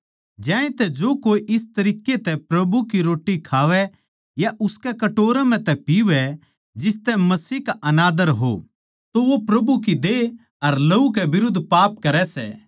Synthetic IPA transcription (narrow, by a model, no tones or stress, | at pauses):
d͡ʒãːẽt̪ɛd͡ʒoːkoːiʔɪst̪ɐɾiːkːet̪ɛpɾɐbukiɾoːʈːikʰaːʋɛ | jaʔʊskɛkɐʈoːɾam̤ɛ̃t̪ɛpiʋɛ | d͡ʒɪst̪ɛmɐsiːkaʔɐnaːd̪əɾɦo̰ | t̪oʋopɾɐbuk̬id̪e | ɐɾlɐukɛbɪɾʊd̪ʱːpaːp̚kɐɾɛsɛ̰ː